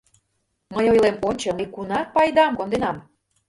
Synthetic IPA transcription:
məjojlemonʲt͡ɕəmikunɑpɑjd̪ɑmkond̪enɑm

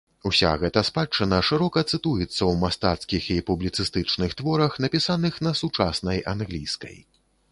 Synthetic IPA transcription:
usʲa̰ɣɛt̪ɐspat͡ʂːɨnɐʂɨɾɔkɐt̪sɨt̪ujɛt̪sːɐwmast̪a̰t̪skʲixipublʲit̪sɨst̪ɨt͡ʂnɨxt̪vɔɾɐxn̪ɐpʲisanɨxnɐsut͡ʂasnɐjanɣlʲijskɐ̰j

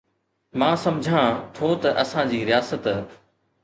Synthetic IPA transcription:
mãːsɐmd͡ʑʱãt̪ʰot̪ɐʔɐsãd͡ʑiːɾɪjaːsət̪

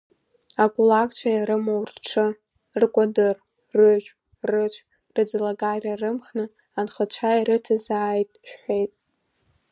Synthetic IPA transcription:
akʷʼulakʷʰʼt͡ʃʷʰajaɾɨmowrʈ͡ʂʰɨ | rkʷʼadɨr | rɨʒᶣʷ | rɨt͡ʃʷʰ | rɨd͡zɨlaɡarʲarɨmχnɨ | anχət͡ʃʷʰajiɾɨtʰazaːjtʼʃᶣħʷejtʼ

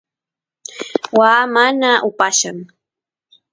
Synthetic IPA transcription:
waːmanaʔʊpaʃaŋ

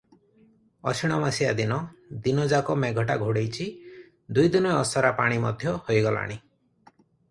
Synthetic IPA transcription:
ɔ̰t͡ʃʰiɽ̃ɔmasijad̪inɔd̪inɔd͡ʒakɔmeɡʱɔʈaɡʱoɽejt͡ʃʰi | d̪ujd̪inɔjɔsɔɾapaɽ̃imɔ̰d̪ʱjɔhojɡɔla̰ɽ̃i

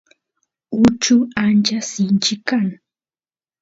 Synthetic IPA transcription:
ʊt͡ʃʊant͡ʃasɪnt͡ʃɪkaŋ

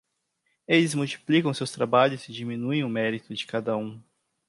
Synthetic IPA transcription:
elɪzmuwt͡ʃi̥plikɐ̃w̃sewst̪ɾabaʎʊzɪd͡ʒimĩnuẽj̃ʊmɛɾit̪ʊd͡ʒɪkad̪ɐũ

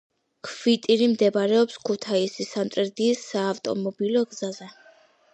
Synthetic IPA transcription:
kʰvit̪ʼiɾimd̪ɛbaɾɛɔpskʰut̪ʰaisisant̪ʼɾɛɾd̪iːsːaːft̪ʼɔ̰mɔbilɔɡzazɛ

